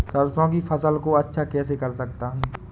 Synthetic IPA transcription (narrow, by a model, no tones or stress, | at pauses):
səɾsõk̬ifʰɐsəlkoɐtːʃʰakɛːsekɐɾsəkt̪aɦɛː